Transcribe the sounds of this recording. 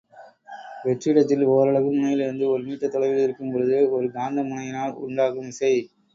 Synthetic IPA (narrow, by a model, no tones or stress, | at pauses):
ʋɛʈriɪɽɐt̪ːɪloːɾɐɭɐɣɯmʊnɐjɪlɪɾɯnd̪ɯɔɾɯmiːʈːɐt̪ːɔɭɐɪʋɪlɪɾɯkːɯmpɔɾɯðɯɔɾɯɡaːnd̪ɐmʊnɐjɪnaːɭʊ̰ɳɖaːɣɯmɪsɐɪ